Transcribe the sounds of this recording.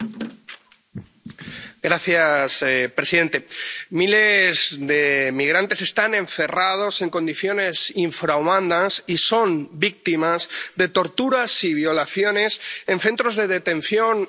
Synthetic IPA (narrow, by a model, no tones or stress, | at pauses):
ɡɾaθjaspɾe̞siðe̞nt̪e̞mile̞zðe̞miɣ̞ɾant̪e̞se̞st̪anẽ̞ɱfe̞rað̞o̞se̞ŋko̞nd̪iθjo̞ne̞siɱfɾawmãnd̪asiso̞mbik̚t̪imazðe̞t̪o̞ɾt̪uɾasiβ̞jo̞laθjo̞ne̞sẽ̞nθe̞nt̪ɾo̞zðe̞ð̞e̞t̪ẽ̞nθjo̞n